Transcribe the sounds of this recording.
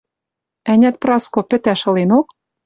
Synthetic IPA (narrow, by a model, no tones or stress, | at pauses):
ænʲæt̪̚prɑskopɘ̆t̪æʃɤ̆lenok̚